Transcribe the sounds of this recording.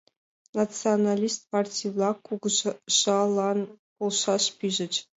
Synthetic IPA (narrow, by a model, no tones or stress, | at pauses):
nat͡sɨonalʲist̪pɑrtʲijvlˠɑkuɡʒɑlˠɑn | polˠʂɑʂpʲiʒɘ̆t͡ɕ